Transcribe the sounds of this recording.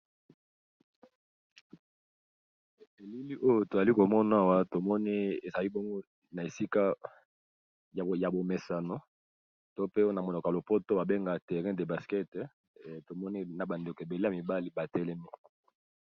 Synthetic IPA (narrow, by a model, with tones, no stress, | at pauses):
e˨li˦li˦ʔo˦jo˦to˨za˨li˦ko˨mɔ˦na˦a˦˨wa˦to˨mɔ˦ni˦e˨za˨li˦bɔ˦ŋɡo˦ | na˨e˨si˦ka˦ | jja˨bo˨me˨sa˨no˦ | to˦pe˦o˦na˨mo˨no˨ka˨lo˨po˦to˦ba˨be˦ŋɡa˨tɛ˨ʁɛ̃˦de˨ba˨skɛ˦t | to˨mɔ˦ni˦na˨ba˨nde˨ko˨e˨be˨le˦ja˨mi˨ba˦li˦ba˨tɛ˦lɛ˦ni˦